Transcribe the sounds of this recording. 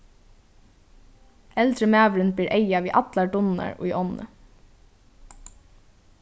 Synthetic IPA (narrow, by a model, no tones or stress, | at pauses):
ɛlt̪ɾəmæːʋɾɪnbiːɾʔejaʋiːʔɑt̪laɖʊnna̰ɹʊ̰jʔɔnə̰